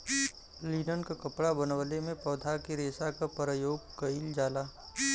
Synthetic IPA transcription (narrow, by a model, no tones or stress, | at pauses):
liːnənkakɐpɽabənʋəlemẽpɔːd̪ʱakiɾeːsakapəɾəjoːɡkəɪld͡ʒaːlaː